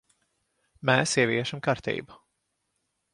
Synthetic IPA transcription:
mɛːsiɛviɛʃamkaɾt̪ḭːbu

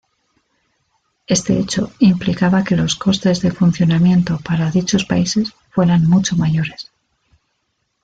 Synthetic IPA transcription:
e̞st̪e̞̰et͡ʃo̞implikaβake̞lo̞sko̞st̪e̞zðe̞fun̟θjo̞namjẽ̞nt̪o̞paɾaðit͡ʃo̞spaise̞s | fwe̞ɾanmut͡ʃo̞maʝo̞ɾe̞s

